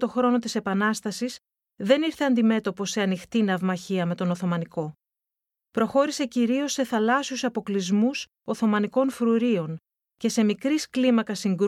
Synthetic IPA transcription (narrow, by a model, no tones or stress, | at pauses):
t̪o̞xɾo̞no̞t̪ise̞pɐnɐst̪ɐsis | ðe̞niɾθe̞ɐnd̪ime̞t̪o̞po̞se̞ɐnixt̪inɐvmɐçiɐme̞t̪o̞no̞θo̞mɐniko̞ | pɾo̞xo̞ɾise̞ciɾio̞sːe̞θɐlɐsiusɐpo̞klizmus | o̞θo̞mɐniko̞nfɾuɾio̞n | ce̞se̞mikɾisklimɐkɐsiŋɡɾ